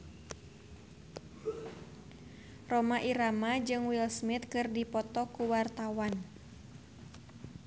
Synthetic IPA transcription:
rɔmaʔiɾamad͡ʒɨŋwilsmit̪̚kɨrdipɔt̪ɔkuwart̪awan

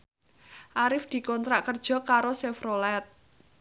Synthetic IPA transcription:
ʔaɾɪfd̪̥i̤kɔnt̪ɾaʔkərd̥ʒ̥ɔ̤kaɾosɛfɾolɛt̪̚

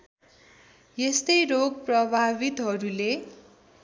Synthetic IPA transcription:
jest̪ʌjɾoɡprʌbʱabit̪ɦʌɾule

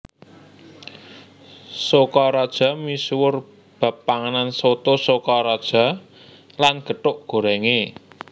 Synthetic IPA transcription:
sokɔɾɔd̥ʒ̥ɔ̤miswʊr | b̥a̤pːaŋanansot̪osokɔɾɔd̥ʒ̥ɔ̤ | lanɡ̥ə̤ʈʊʔɡ̥o̤ɾɛŋe

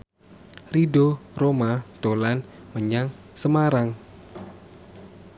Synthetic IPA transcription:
ridoromat̪olanməɲaŋsəmaɾaŋ

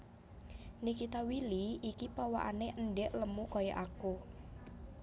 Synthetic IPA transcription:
nikit̪awiliikipawa̰ʔa̰neʔənɖɛʔləmukɔjɔʔaku

